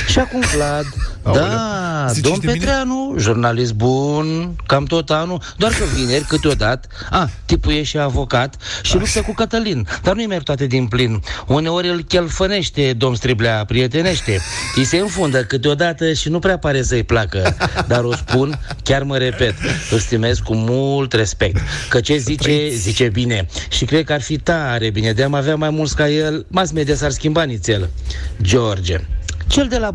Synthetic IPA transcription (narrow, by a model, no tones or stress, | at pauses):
ʃiakumplat̪d̪a | d̪o̞mpe̞t̪ɾeanuʒurnalis̬t̪̚bunkamt̪o̞t̪anud̪oarkəvine̞rʲkɨt̪eo̞d̪at̪ə | at̪ipuje̞ʃt̪eavo̞kat̪ʃilupsəkukət̪əlind̪arnujmerʲt̪oat̪ed̪inplinune̞o̞ɾʲɨlkʲelfəne̞ʃt̪e̞d̪o̞mst̪ɾiblʲapɾie̞t̪e̞ne̞ʃt̪e̞ise̞ɨnfund̪əkɨt̪eo̞d̪at̪əʃinupɾeapaɾe̞səɨjplakəd̪aɾo̞spun | kʲarməɾe̞pe̞t̪ɨlst̪ime̞skkumult̪re̞spe̞k̚t̪kət͡ʃe̞zit͡ʃe̞zit͡ʃe̞bine̞ʃikɾe̞d̪̚kəarfit̪aɾe̞bine̞d̪eamaveamajmult̪skajelmas̬med̪ias̬arskʲimbanit̪sʲel | d͡ʒord͡ʒḛt͡ʃe̞ld̪e̞la